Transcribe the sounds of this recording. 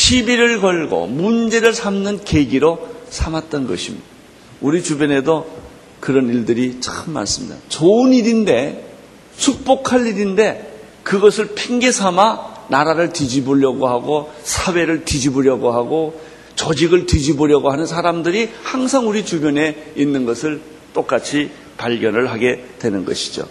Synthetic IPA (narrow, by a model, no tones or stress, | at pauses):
ɕʰibiɾɯɭkʌɭɡo̰mund͡ʑe̞ɾɯɭsʰamnɯnke̞ɡiɾosʰamat̚t͈ʌnɡʌ̰ɕʰimɲḭda | uɾit͡ɕubjʌne̞do | kɯɾʌniɭdɯɾit͡ɕ͈axʰɯnma̰ns͈ɯ̥mɲḭda̰t͡ɕoɯniɾinde̞ | sʰuk̚p͈okʰaɭiɾinde̞ | kɯɡʌsʰɯɭpʰeŋɡesʰamanaɾaɾɯɭtid͡ʑibuʎjʌɡoɦaɡosʰawe̞ɾɯɭtid͡ʑibuɾjʌɡoɦaɡo | t͡ɕʌd͡ʑiɡɯɭtid͡ʑiboɾjʌɡoɦanɯnsʰaɾamdɯɾihaŋsʰaŋuɾit͡ɕubjʌne̞inːɯnɡʌsʰɯɭ | t͈ok͈at͡ɕʰi | paɭɡjʌnɯɭɦaɡe̞dwe̞nɯnɡʌ̰ɕʰi̥d͡ʑo̰